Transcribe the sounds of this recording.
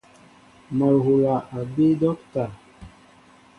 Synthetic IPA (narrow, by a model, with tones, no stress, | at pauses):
ma˨lɦo˨la˨ʔa˨ɡ͡be˦dɔ˦kta˨